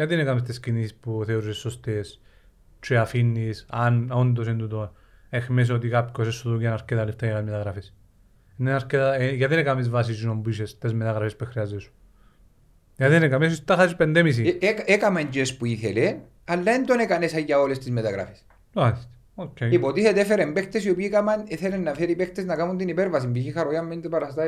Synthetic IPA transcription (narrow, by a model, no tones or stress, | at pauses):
jɐt̪inekɐmest̪escinisispuθeoɾusesːost̪es | t͡ʃiafinːisɐnond̪os̬end̪ut̪on | exmes̬ot̪ikapkosesuðuɟenɐɾket̪ɐleft̪ɐjɐkɐnmet̪ɐɣɾɐfes | nenɐɾket̪ɐʝɐt̪inekamizvɐs̬isinombuiʃest̪ezmet̪ɐɣɾɐfespuexɾiɐzːesu̥ | jɐðenekamesist̪ːɐxasipend̪emis̬ikekameɲɟespuiθele | ɐlːɐend̪onekɐnesajjɐolest̪izmet̪ɐɣɾa̰fe̥s | malist̪e̥ | okʰːeipot̪iθet̪efeɾembekt̪esiopikamɐneθelenːɐfeɾipekt̪eznɐkamunt̪inipeɾvɐs̬imbiçixaɾoiɐmːend̪epɐɾɐst̪a